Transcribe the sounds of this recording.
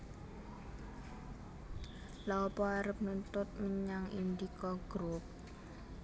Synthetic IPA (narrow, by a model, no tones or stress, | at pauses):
laɔpɔaɾəp̚nunt̪ʊt̪̚məɲaŋind̪ikɔɡ̥ɾʊp̚